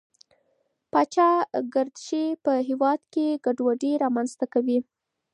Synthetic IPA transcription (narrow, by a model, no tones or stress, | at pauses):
pɑt͡ʃɑɡaɾd̪ʃepəɦewɑd̪keɡaɖwaɖeɾɑmanzt̪akawi